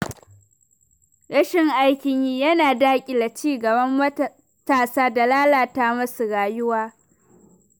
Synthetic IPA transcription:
ɽɐ˦ʃɪ˨ŋʔa˦jkʲɪ˨ɲjiː˦jɐ˦naː˨daː˦kʲʼi˨la˨t͡ʃiː˦ɡɐ˨bɐ˦mːɐ˦ | taː˨saː˦da˨laː˦laː˨ta˦mɐ˦su˨ɽaː˨jʊ˦waː˦

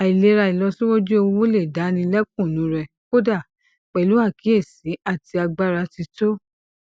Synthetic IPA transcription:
a˨i˨le˨˧˦ɾa˧i˨lɔ˧sĩ˦wo˦d͡ʒo˦o˧wo˦le˦˨da˨˦nĩ˧lɛ˦k̚ũ˦˨nũ˨˦ɾɛ˧ | ko˦da˦˨ | k͡pɛ˨lu˨˦a˦˨ki˨˦e˦˨sĩ˨˦a˦˨ti˧a˧ɡ͡ba˦ɾa˧ti˧to˦

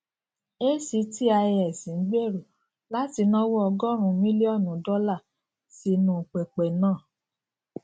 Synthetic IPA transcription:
e˦si˧˦ti˦a˧jɛ˨sĩ˨˦ɡ͡be˦˨ɾo˨ | la˦ti˧˦nɔ̃˦wɔ˦ɔ˧ɡɔ˦ɾ̃ũ˨˦mĩ˦li˦ɔ˦˨nũ˨˦dɔ˦la˦˨ | si˧nũ˦˨k͡pɛ˨k͡pɛ˨nãː˦˨

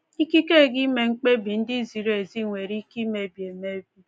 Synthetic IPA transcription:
i˦ki˦ke˦˨ɡi˦me˨ŋ͡m̩˦k͡pe˦bi˨n̩˦dɪ˦zi˨ɾo˨˦e˨zi˦˨ŋʷe˨ɾi˦ki˦me˨˦bi˨e˨me˦bi˦

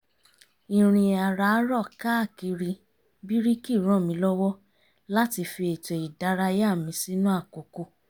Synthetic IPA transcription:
i˨ɾ̃ĩ˧a˨ɾa˨˦ɾɔ˦˨ka˦a˦˨ki˧ɾi˧ | bi˦ɾi˦ki˦˨ɾ̃ɔ̃˦˨mĩ˧˦lɔ˦wɔ˦ | la˦ti˧fi˧e˨tɛ˨i˨da˨˦ɾa˧ja˦˨mĩ˧˦si˦nũ˦a˦˨ko˨ko˦˨

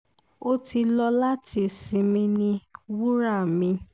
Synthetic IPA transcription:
o˦ti˧lɔ˧la˦ti˧˨sĩ˨˦mĩ˧nĩ˧wu˦ɾa˦˨mĩ˧

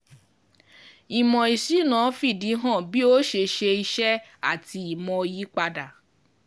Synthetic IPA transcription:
i˨mɔ̃˨i˨si˨˦nã˨˦fi˦˨di˨˦ɦɔ̃˦˨bi˦o˦ʃe˧ʃe˧i˧ʃɛ˦a˦˨ti˧i˨mɔ̃˧ji˨˦k͡pa˧da˨

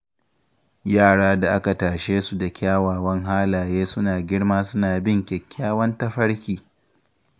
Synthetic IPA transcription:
jaː˦˨ɽaː˦da˨ʔa˦ka˨taː˨ʃeː˦su˨da˨kʲaː˦waː˨wɐ˦ŋɦaː˦laː˨jeː˦sʊ˦naː˨ɡʲɪ˦ɽmaː˦sʊ˦naː˨bɪ˦ŋkʲɛ˨kʲːaː˦wɐ˦ntɐ˦ɸɐ˦ɽkʲiː˨

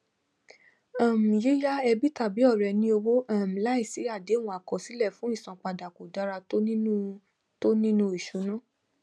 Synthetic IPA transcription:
a˦˨m̩̃˨je˦ja˦ɛ˧bi˦ta˦˨bi˨˦ɔ˦˨ɾɛ˨nĩ˧˦o˧wo˦a˦˨m̩˨la˦i˦˨si˨˦a˦˨de˨˦ũ˧˦a˨kɔ˨si˨˦lɛ˦˨fũ˨˦i˦˨sã˨k͡pa˧da˨ko˨da˨˦ɾa˧o˦nĩ˦ũ˦ | to˦nĩ˦nũ˦i˦˨ʃu˨˦nã˦˨

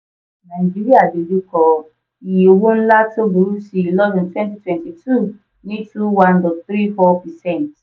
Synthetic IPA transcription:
nã˨i˨d͡ʒi˦ɾi˦a˦˨de˨lu˦kɔ˧ | i˨jo˨wũ˦n̩˦la˦to˦bu˨ɾu˦si˧˦i˨lɔ˦vĩ˨ntwɛ̃˦nti˦twɛ̃˨nti˨tʰu˦˨ | nĩ˦tũ˦wã˦ndɔ˨θɾi˦fɔ˦pɛ˨sɛ̃˦˨nt

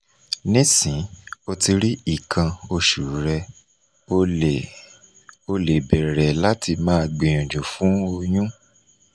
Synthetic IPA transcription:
nĩ˦sĩ˨˦o˧ti˧ɾi˦i˦˨kʰã˧o˧ʃu˨ɾɛ˧ | o˧˨ | o˧le˨bɛ˨ɾɛ˨la˦tʰi˧mãː˦˧˨ɡ͡bĩ˨j̃ɔ̃˨d͡ʒo˨fũ˨˦o˧j̃ũ˦

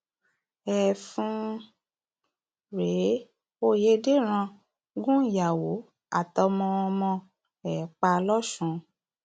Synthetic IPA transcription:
ɛ˨fũ˧˦ | ɾe˨˦ | o˦˨je˦de˦˨ɾ̃ã˧ | ɡũ˦˨ja˨wo˨˦ | a̰˨tɔ˧mɔ̃˧ɔ˧mɔ̃˧ | ɛ˨k͡pa˧lɔ˦ʃũ˧˨

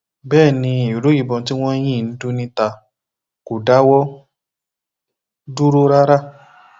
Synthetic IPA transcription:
bɛː˦˨nĩ˧i˨ɾo˨˦ji˦˨bɔ̃˧ti˦w̃ɔ̃˦j̃ĩ˦˨n̩˦du˦nĩ˦ta˧ | ko˨da˨˦wɔ˦ | du˦ɾo˦ɾa˦ɾa˦

